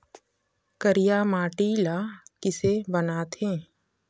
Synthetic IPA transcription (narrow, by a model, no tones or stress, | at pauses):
kəɾijaːmaːʈiːlaːkɪsebənaːt̪ʰẽː